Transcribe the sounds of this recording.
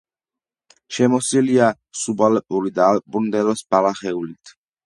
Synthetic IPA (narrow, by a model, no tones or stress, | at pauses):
ʃɛmɔsilia | subalɛpʼuɾid̪aːlppʼund̪ɛlɔsb̥alaχɛulit̪ʰ